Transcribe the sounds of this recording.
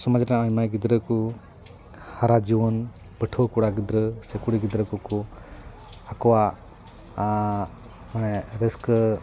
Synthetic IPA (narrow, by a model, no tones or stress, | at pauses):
sɔməd͡ʒɾaajmajɡid̪ɾəku | haɾad͡ʒiwɔn | bəʈʰokuɽaɡid̪ɾəsekuɽiɡid̪ɾəkuku | akɔwa | manɛɾisk